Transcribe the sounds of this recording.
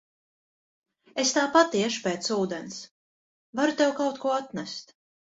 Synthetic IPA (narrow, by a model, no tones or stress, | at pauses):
est̪aːpat̪ːiɛʃu̥pɛːt̪suːd̪ens | vaɾut̪ɛwkawt̪kuɔat̪næst̪